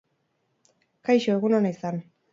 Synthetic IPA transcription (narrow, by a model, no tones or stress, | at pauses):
kajʃoeɣunonaisan